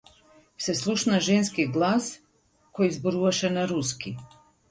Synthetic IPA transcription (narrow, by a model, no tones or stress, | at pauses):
seslˠuʃnaʒenskiɡlˠaːs | kojizboɾuʋaʃenaɾuski